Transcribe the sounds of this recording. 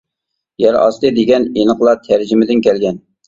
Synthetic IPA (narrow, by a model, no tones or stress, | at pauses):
jɛɾɑ̰st̪ˠɨd̪eɡʲɛnenəχlˠɑt̪ʰæɾd͡ʒɪmɪd̪ɪnkʲɛlɡʲɛn